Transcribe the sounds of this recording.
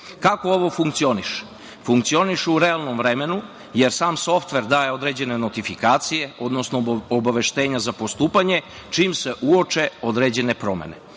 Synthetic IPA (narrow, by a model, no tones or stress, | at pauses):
kakooʋo̞fuŋkt̪sio̞niʃ | fuŋk̚t̪sio̞niʃuɾealˠno̞mvɾeme̞nu | je̞ɾsaːmso̞ft̪ʋe̞ɾd̪aːje̞o̞d̪ɾed͡ʑe̞ne̞not̪ifikaːt̪sije̞o̞d̪no̞snoobaʋe̞ʃt̪e̞ːɲazapo̞st̪uːpaɲe | t͡ʃimse̞ʔuo̞t͡ʃe̞o̞d̪ɾeːd͡ʑe̞ne̞pɾo̞me̞̰nḛ